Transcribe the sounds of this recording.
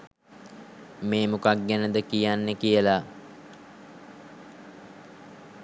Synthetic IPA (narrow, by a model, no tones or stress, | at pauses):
meːmukaɡ̚ɡænəd̪əkijanːəkijəla